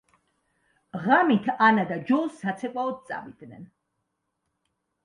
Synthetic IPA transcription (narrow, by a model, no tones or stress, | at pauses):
ʁamit̪ʰanad̪ad͡ʒɔlˠsːat̪sʰɛkʼaɔt̪̚t̪sʼa̰vid̪̥nɛ̰n